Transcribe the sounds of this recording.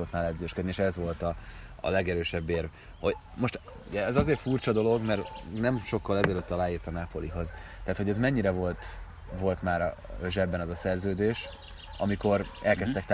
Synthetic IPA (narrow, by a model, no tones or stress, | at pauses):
ot̪naːlɛd̪zøːʃkød̪nieːʃɛzʋo̞lt̪ɒ̰ːlɛɡɛɾøːʃɛbːeːrv | ho̞ɟ | mo̞ʃt̪ | uɟɛɛzɒzeːrfurt͡ʃɒd̪o̞lo̞ɡmɛrnɛmʃo̞kːɒlɛzɛløt̪ːɒlaːjiːrt̪ɒnaːpo̞liɦo̞zt̪ɛɦat̪ho̞ɟɛzmɛɲːiɾɛvolt̪ | vo̞lt̪maːɾ | øʒɛbːɛnɒzɒsɛrzøːd̪eːʃ | ɒmiko̞ɾɛlkɛst̪ɛk̚t̪